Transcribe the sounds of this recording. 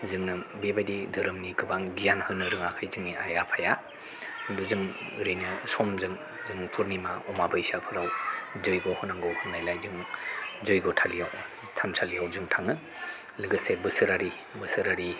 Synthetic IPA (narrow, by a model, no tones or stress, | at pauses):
zɯŋnɯbebajdidɯɾɯmniɡɯbaŋɡijanhɯnːɯɾɯŋakʰajzɯŋniajapʰaja | duzɯŋɾɯjnɯsɔmzɯŋ | zɯŋpʰuɾnimaɔmabajsapʰɯɾawzɯjɡohunaŋɡowhunnajlajzɯŋzojɡotʰalijaw | tʰamsʰalijawzɯŋtʰaŋɯ | lɯɡɯsebɯsɯɾaɾi | bɯsɯɾaɾi